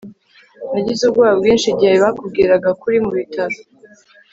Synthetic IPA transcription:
naɟizubɡwaːβabɡiːnʃiɟihaiβakub̚ɡiɾaɡakuɾimuβitʰaɾi

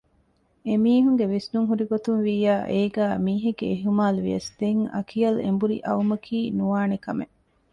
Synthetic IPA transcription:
emiːɦuŋɡeʋisnuŋɦuɾiɡot̪unʋiːjaːʔeːɡæːmiːɦeɡḛːɦumaːluʋḭjɐsd̪̥eŋɐ̰kʰijɐlḛmbuɾḭʔɐumɐkʰiːnuʋaːnekɐmḛʔ

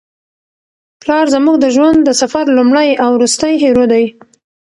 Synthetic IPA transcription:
plɑɾzəmuɡ̚d̪əʒwand̪d̪əsafaɾlumɽajawɾust̪əjɦeɾod̪aj

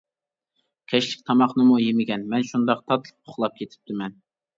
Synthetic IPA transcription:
kʲʰɛʃlɪkʲt̪ʰɑmɑχnɨmujemɪɡʲɛnmɛnʃund̪ɑq̚t̪ʰɑt̪ʰl̚ˠʰʊ̥χlˠɑp̚kʲʰet̪ʰɪ̥p̚t̪ʰɪmɛn

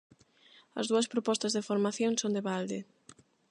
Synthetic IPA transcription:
ɐ̰zðuɐspɾopɔst̪ɐzðɪfoɾmaθjoŋsond̪eβald̪ɪ

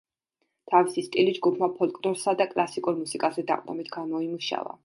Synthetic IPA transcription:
t̪ʰavisist̪ʼilid͡ʒɡupʰmapʰɔlˠkʼlɔɾsad̪akʼlˠasikʼuɾmusikʼazɛd̪a̰qʼnɔbit̪ʰɡamɔimuʃa̰va̰

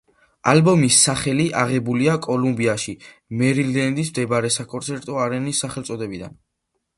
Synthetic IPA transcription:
a̰lbɔmisːaχɛliʔaʁɛbuliakʼɔlumbiaʃi | mɛɾilɛnd̪is̬md̪ɛbɾɛsakʼɔnt̪sʰɛɾt̪ʼɔaɾɛnisːaχɛlt̪sʼɔd̪ɛbid̪a̰n

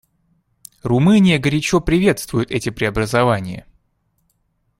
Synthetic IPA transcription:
rʊmɨnʲɪjəɡəɾʲɪt͡ɕo̞pɾʲɪvʲe̞t̪st̪vʊjʊt̪ɛtʲɪpɾʲɪɐbɾəzɐvanʲɪjə̰

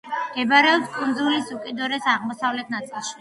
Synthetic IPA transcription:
ɡ̥ɛbaɾɛɔpskʼund̪zulisukʼid̪ɔɾɛsaʁmɔsavlɛt̪ʰnat̪sʼilˠʃi

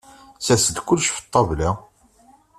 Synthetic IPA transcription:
sæsəɡ̪kʊlːʃfə̥t̪ˤːɑvlæ

